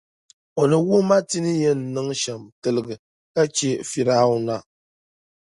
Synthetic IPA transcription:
ɔ˨nɨ˨wu˦ma˦ti˦nɨ˦jɛ˦n̩ː˨ɨ˦ŋʃa˨mtɨ˨lɨ˨ɡɨ˨ | ka˦t͡ʃɛ˦fi˨ɾaː˦ʊ˦na˦

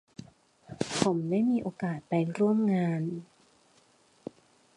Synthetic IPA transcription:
pʰo˩˦mdaː˥˩jmiː˧ʔoː˧kaː˨˩t̪̚pa˧jɾu˥˩əmŋaː˧n

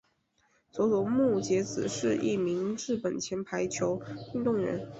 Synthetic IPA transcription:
t͡swɔ˧˥lɔ˧˥mu˥˩t͡ɕjɛ˧˥t͡sɹ̩˨˩ʂɻ̩˥˧ʔi˥˩mi˧˥ŋɻɻ̩˥˩pə˨˩nt͡ɕʰjɛ˧˥npʰa˧˥ɪt͡ɕʰjo˧˥ʊy˥˧t̪ʊ˥˩ŋɻə̰˧˥n

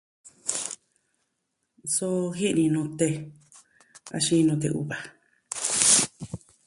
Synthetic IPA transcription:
so˧xi˦ʔnĩ˧nũ˧t̪e˧ | a̰˧ʃĩ˦˧nũ˧t̪̬ḛ˧ʔṵ˧βa˨

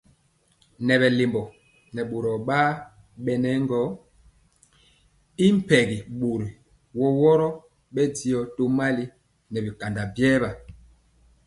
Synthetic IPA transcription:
nɛ˨βɛ˨le˨mbɔ˨ | nɛ˨ɓo˨ɾɔ˨ɓa˦ | ɓɛ˦nɛ˦ŋɡɔ˦ | i˦m̩˦˨pɛ˨ɡi˨ɓo˨ɾi˨ | wɔ˦wɔ˦ɾɔ˦ | ɓɛ˦di˦ɔ˨to˦ma˦li˦ | nɛ˨bi˨ka˨nda˨bjɛː˦ba˨

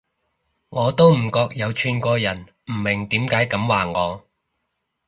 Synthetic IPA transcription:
ŋɔː˨˧t̪o˥wm̩˨˩kɔː˧k̚jɐ˨˧wt͡ʃʰyː˨˧nkʷɔː˧jɐ˨˩n | m̩ː˨˩mɪ˨˩ŋt̪iː˨˥mkaː˨˥jkɐ˨˥mwaː˨ŋɔː˨˧

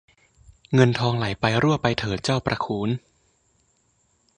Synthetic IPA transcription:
ŋɤ˧nt̪ʰɔː˧ŋla˩˦jpa˧jɾu˥˩pa˧jt̪ʰɤː˨˩˦t̪̚t͡ɕa˥˩wpɾʔa˧kʰuː˨˦˥n

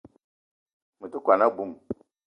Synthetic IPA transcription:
mə˨tu˦kʷa˨na˦bu˨m

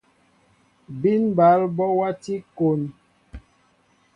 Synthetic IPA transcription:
bi˦nba˨˦lbɔ˦wa˦ti˦ko˨n

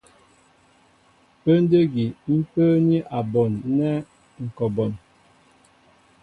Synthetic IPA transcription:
pə˦n˦də˦ɡi˨m̩˦pə˦ni˦ʔa˨bɔ˨nːɛ˦ | ŋ̩˨kɔ˨bɔ˨n

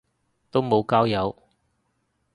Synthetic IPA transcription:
t̪o˥wmo˨˧wkaː˥wjɐ˨˧w

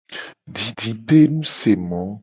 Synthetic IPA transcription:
di˨di˨pe˦nũ˦se˨mɔ̃˨˦

